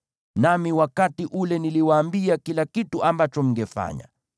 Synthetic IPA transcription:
namiwakatiʔulɛniliwaːmbiakilakituambat͡ʃɔm̩ŋɡɛfa̰ɲa̰

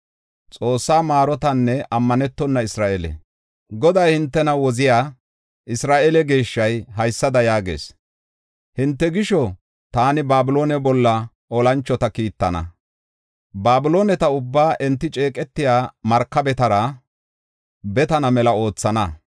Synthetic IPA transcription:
t͡sʼo̞ːsːaːmaːɾɔt̪ɐnːɛʔɐmːɐnɛt̪ːɔnːɐɪsɾaːʔelɛ̰ | ɡɔd̪ɐjhɪnt̪ːɛnɐwɔzɪjaː | ʔɪsɾaːʔelɛɡe̞ːʃːɐjɦɐjsːɐd̪ɐjaːɡe̞̰ːs | hɪnt̪ːɛɡɪʃɔ | t̪aːnɪbaːbɪlo̞ːnɛbɔlːɐ | ɔlɐnt͡ʃːɔt̪ɐkiːt̪ːɐnɐ̰ | baːbɪlo̞ːnɛt̪ɐʊbːaːʔɛnt̪ːɪt͡ʃʼe̞ːkʼɛt̪ːɪjaːmɐɾkːɐbɛt̪ɐɾɐ | bɛt̪ɐnɐmɛlɐo̞ːt͡sːɐnɐ

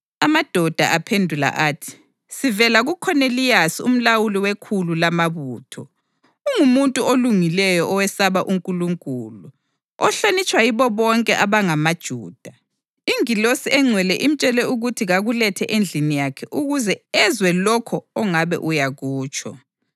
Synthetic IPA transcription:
amad̥ʱɔd̥ʱaʔapʰendʱula̰ʔaːtʰi̥ | sivɛlaɣukʰɔnelijasium̩lawuliwekʰululamaβuːtʰɔ | uŋumuntʼuoluŋilɛjɔʔɔwɛsaβaʔuŋkʼuluŋkʼuːlu | ɔɬonit͡ʃʼwaiβɔβɔŋkʼɛʔaβaŋamad̥ʒ̥ʱuːd̥ʱa | iŋilosiɛŋ͡ǀʱwɛlɛʔim̩t͡ʃʼɛlɛuɣutʰiɣaɣulɛtʰɛʔend͡ɮʱinijakʰɛʔuɣuzɛɛzwɛlɔkʰɔɔŋaβɛ̰ʔujaɣuːt͡ʃʰʼɔ̰

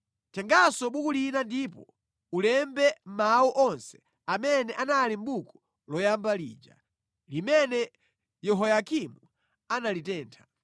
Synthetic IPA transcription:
tʰɛŋɡasɔɓukulinandiːpɔ̰ | ulɛmbɛm̩mawɔʔɔnsɛ̥ | amɛnɛʔanalim̩bukɔ̥ | lɔjambalḭːd͡ʒa̰ | limɛnɛ | jɛɦɔjakimu | analitɛːntʰḁ

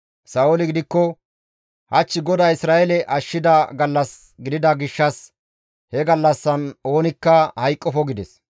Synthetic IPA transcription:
sɐolɪɡɪd̪ɪkːɔ | hɐt͡ʃːɪɡɔd̪ɐɪsɾaːɛlɛʔɐʃːɪd̪ɐɡɐlːɐs | ɡɪd̪ɪd̪ɐɡɪʃːɐs | hɛɡɐlːɐsːɐno̞ːnɪkːɐhɐjkʼːɔfɔɡɪd̪ɛs

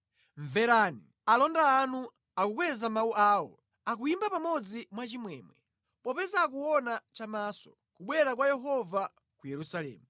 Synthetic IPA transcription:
ɱvɛɾaːni | alɔndaːnu | akukwɛzamauʔaːwɔ̰ | ak̬ujimbapamɔd͡zimwat͡ʃimwɛːmwɛ | pɔpɛzakuɔnat͡ʃamaːsɔ̥ | kuɓwɛɾak̬wajɛɦɔva | kujɛɾusalɛ̰ːmu

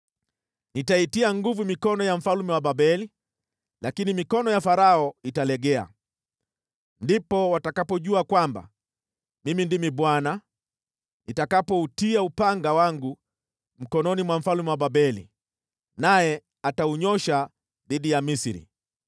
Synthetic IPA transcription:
nitaitiaŋɡuvumikɔnɔjam̩falmɛwaɓaɓɛli | lakinimikɔnɔjafaɾaɔitalɛɡɛa̰ | ndipɔwatakapɔʄuakwamba̰ | mimindimiɓwana | nitakapɔutiaupaŋɡawaŋɡu | m̩kɔnɔnimwaɱ̩falmɛwaɓaɓɛlḭ | najɛ | atauɲɔʃa | ðiɗijamisɾḭ

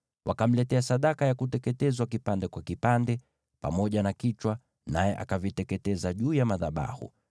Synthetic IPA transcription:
wʔakam̩lɛtɛasaɗakajakutɛkɛtɛzwak̬ipandɛkwakipandɛ | pa̰mɔʄanakit͡ʃwa | najɛʔa̰kavitɛtkɛtɛzaʄuːjamaðaɓa̰hṵ

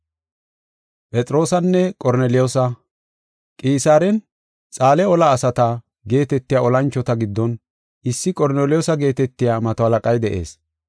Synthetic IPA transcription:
pʼɛt͡sʼɾo̞ːsɐnːɛkʼɔɾnɛlɪjoːsɐ | kʼiːsaːɾɛn | t͡sʼaːlɛɔlɐːsɐt̪ɐ | ɡe̞ːt̪ɛt̪ːɪjaɔlɐnt͡ʃːɔt̪ɐɡɪd̪ːɔn | ɪsːɪkʼɔɾnelɪjoːsɐɡe̞ːt̪ɛt̪ːɪjaːmɐt̪ɔhɐlɐkʼɐjd̪ɛʔe̞̰ːs

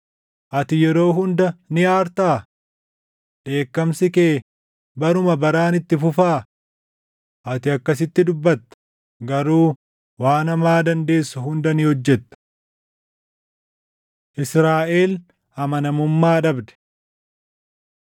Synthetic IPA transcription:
ʔɐt̪ɪjɛɾo̞ːɦʊnd̪ɐnɪaːɾt̪aː | ᶑe̞ːkːɐmsɪkeː | bɐɾʊmɐbɐɾaːnɪt̪ːɪfʊfaː | ʔɐt̪ɪɐkːɐs̬ɪt̪ːɪd̪ʊbːɐt̪ːɐ̥ | ɡɐɾuː | waːnɐmaːd̪ɐnd̪e̞ːsːʊhʊnd̪ɐnɪhɔd͡ʒːɛt̪ːɐ̥ | ʔɪsɾaːʔe̞ːl | hɐmɐnɐmʊmːaːᶑɐbd̪ɛ̥

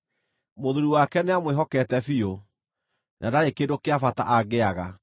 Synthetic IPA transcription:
moðuɾuwakɛneamweɦɔkɛtɛfio | nʔadaɾekedokeafata̰ʔaɣeaɣa

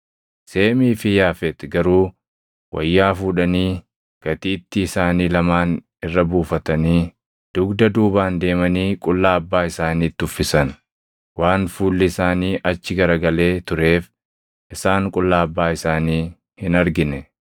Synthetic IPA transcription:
se̞ːmiːfɪjaːfɛt̪ɡɐɾuː | wʔɐ̰jːaːfuːᶑɐniː | ɡ̥ɐt̪iːt̪ːɪːsaːniːlɐmaːn | ɪrːɐbuːfɐt̪ɐniː | d̪̥ʊɡd̪ɐd̪uːbaːnd̪e̞ːmɐniːkʼʊlːaːɐbːaːɪsaːniːt̪ːʊfːɪsɐn | waːnfuːlːɪɪsaːniːʔɐt͡ʃːɪɡɐɾɐɡɐle̞ːt̪ʊɾe̞ːf | ʔɪsaːŋkʼʊlːaːɐbːaːɪsaːniː | hɪnɐɾɡɪnɛ

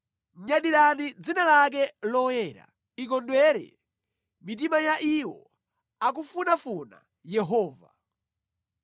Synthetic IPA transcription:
ɲaɗiɾanid͡zinalak̬ɛlɔjɛɾa̰ | ik̬ɔndwɛɾɛ̰ | mit̬imajaʔiwɔ̰ | ak̬ufunafuna̰ | jɛɦɔːva

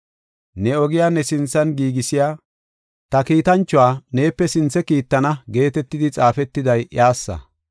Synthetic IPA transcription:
nɛɔɡɪjaːnɛsɪnt͡sːɐnɡiːɡɪsɪjaː | t̪ɐkiːt̪ɐnt͡ʃːʊwaːne̞ːpːɛsɪnt͡sːɛkiːt̪ːɐnɐɡe̞ːt̪ɛt̪ːɪd̪ɪt͡sʼaːfɛt̪ːɪd̪ɐjʔjaːsːɐ̰

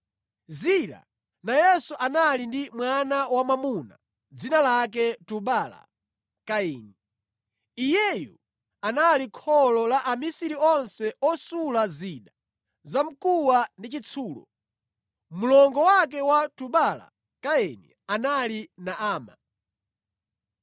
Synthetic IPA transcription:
zila̰ | najɛsuʔanalindimwanawamamuna̰ | d͡zinalak̬ɛtuɓala̰ | kaɛːni | ijɛju | analikʰɔlɔlaʔamisiɾiɔnsɛʔɔsulaziɗa | zam̩kuwandit͡ʃit͡sʰuːlɔ̰ | mulɔŋɡɔwak̬ɛwatuɓala̰ | kaɛnḭ | analinaʔaːma

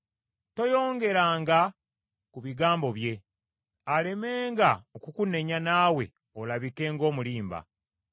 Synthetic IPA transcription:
to̞jo̞ːŋɡe̞ɾaːŋɡa | kuβiɡaːmbo̞βje̞ | ale̞me̞ːŋɡaokukune̞ɲanaːwe̞̰ | olaβike̞ːŋɡo̞ːmuliːmba̰

